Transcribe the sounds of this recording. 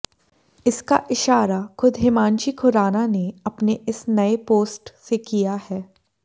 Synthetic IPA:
ɪska̰ʔɪʃaːɾaxʊd̪ʱɦɪmãːnt͡ʃikʰʊɾaːnaneɐpneɪsnɐepoːsʈsekijahɛː

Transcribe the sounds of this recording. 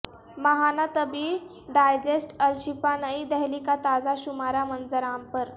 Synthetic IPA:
məɦanat̪əbi | ɖajd͡ʑesʈəɾɕipanəid̪əɦlikat̪ad͡zaɕumaɾamənd͡zəɾampəɾ

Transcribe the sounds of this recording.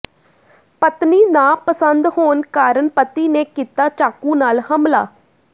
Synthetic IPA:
pət̪niːnãːpəsənd̪hoːnkaːɾənpət̪iːneːkiːt̪aːt͡ʃaːkũːnaːlhəmlaː

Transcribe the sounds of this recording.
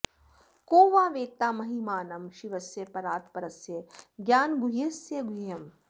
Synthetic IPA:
koːʋaːʋeːt̪aːmɐɦimaːnɐmʃiʋɐsjɐpɐɾaːt̪̚pɐɾɐsjɐɡʲjaːnɡuɦesjɐɡuijɐm

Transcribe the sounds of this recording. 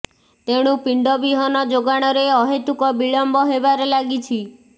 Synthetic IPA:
t̪eɽ̃upiɳɖɔbiɦɔnɔd͡ʒoɡaɽ̃ɔɾeɔɦet̪ukɔbiɭɔmbɔɦebaɾelaɡit͡ʃʰi

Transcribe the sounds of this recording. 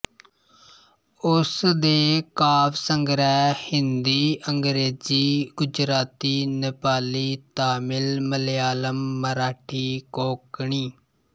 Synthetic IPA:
ʊsd̪eːkaːbsəŋɡɾɛːhɪnd̪iːəŋɡɾeːziːɡʊd͡ʒɾaːt̪iːnɪpaːliːt̪aːmɪlməleaːləmːəɾaːʈʰiːkoːkɳiː

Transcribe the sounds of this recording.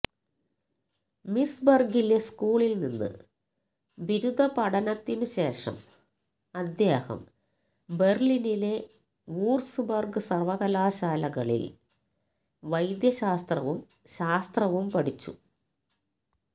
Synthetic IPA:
misbɐrɡile̞skuːɭilninːɨ̰ | ʋiɾud̪ʱɐpɐɽɐnɐt̪ːinɨɕe̞ːʂɐ̰m | ɐd̪jeːhɐ̰m | be̞rlinile̞ | uːrsɨbɐrɡɨsɐrʋɐɣɐlaːɕaːlɐɣɐɭḭl | ʋɐjd̪jɐɕaːst̪rɐʋum | ɕaːst̪rɐʋumpɐɽit͡ɕːṵ

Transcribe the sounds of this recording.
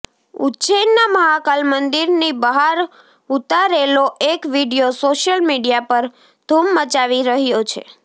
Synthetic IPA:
ṵt͡ʃenːaməɦakalmənd̪iɾnibəɦaɾ | ut̪aɾeloʔekʋiɖijosoʃjəlmiɖijapəɾ | d̪̥ʱumːət͡ʃaʋiɾəɦjot͡ʃʰḛ

